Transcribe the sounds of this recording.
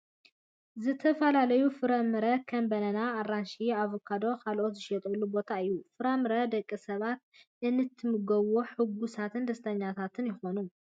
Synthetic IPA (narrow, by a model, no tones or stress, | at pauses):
zɨt̪ʰɐfɐlalɐjufɨɾɐmɨɾɐkʰɐmbɐnɐnaːranʃiaβokʰad̪o̞ɾkʰalʔo̞t̪zɨʃɛt̪ʼɐlːubo̞t̪ʰaɨjːufɨɾɐmɨɾɐd̪ɐkʼːisɐβat̪̚ʔɨnːɨt̪ʰːɨmɨɡɐβoħɨɡːusat̪ʰɨnd̪ɐst̪ʰɐɲːat̪ʰat̪ʰɨnjɪxo̞nu